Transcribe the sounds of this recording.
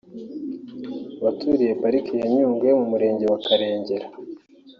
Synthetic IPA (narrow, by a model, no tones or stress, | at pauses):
βatʰuɾije̞paɾikijeɲuːŋɡwemumuɾe̞ːɲɟe̞wakʰaɾe̞ːɲɟe̞ɾa